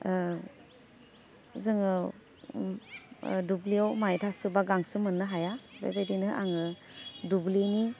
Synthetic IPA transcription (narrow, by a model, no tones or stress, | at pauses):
zɯŋɯ | dubliɔwmajtʰasɯbaɡaŋsɯmɯnːɯɦajabḛbedinɯʔa̰ŋɯ | dublini